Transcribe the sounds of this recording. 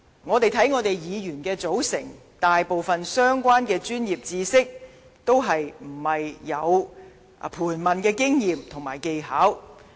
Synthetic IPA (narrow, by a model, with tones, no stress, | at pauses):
ŋɔː˨˧t̪e˨jt̪ʰɐ˨˥jŋɔː˨˧t̪e˨jjiː˨˧jyː˨˩nkɛː˧t͡so˨˥wsɪ̰˨˩ŋ | t̪aː˨jpo˨wfɐ˨nsœː˥ŋkʷaː˥nkɛː˧t͡ʃyː˥njiː˨p̚t͡siː˧sɪ˥k̚ | t̪o˥wɦɐ˨jm̩˨˩hɐ˨jːɐ˨˧w | pʰuː˨˩nmɐ˨˩nkɛː˧kɪ˥ŋjiː˨mt̪ʰʊ˨˩ŋmaː˨˩jke˧jɦaː˨˥w